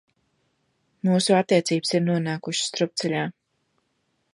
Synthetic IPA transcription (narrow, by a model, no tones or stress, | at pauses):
muːsuat̪ːiɛt̪siːbsiɾnuɔnaːkuʃst̪ɾup̚t̪sɛʎʲaː